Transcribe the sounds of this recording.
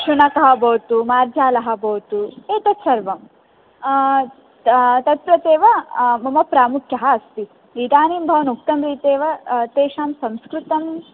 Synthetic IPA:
ʃunɐkɐɦɐ̆bʱɐwt̪umaːɾd̪ʱjaːlɐɦɐ̆bʱɐːt̪ueːt̪ɐsɐɾʋɐm | t̪ɐt̪̚pɾɐt̪eːʋɐmɐmɐpɾaːmukʰjɐɦɐːst̪i | ʋid̪aːniːmbʱɐʋɐnuk̚t̪ɐmɾiːt̪eːʋɐt̪eːʃaːmsɐ̃mskɾut̪ɐm

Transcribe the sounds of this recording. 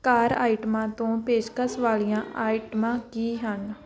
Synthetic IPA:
kaːɾa̰ːɪʈmãːt̪õːpeːʃkəsʋaːlijãːaːɪʈmãːkiːɦən

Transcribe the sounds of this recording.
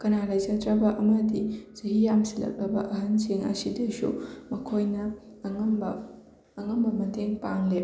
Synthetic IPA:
kɐnalajzɐtɾɐbɐʔɐmɐdiz̥ɐɦijamsilɐ̰k̚lɐbɐʔɐɦɐnsiŋɐ̰sidɐsṵmɐkʰojnɐː | ŋɐmbɐː | ŋɐmbɐmɐtʰeŋpaŋle

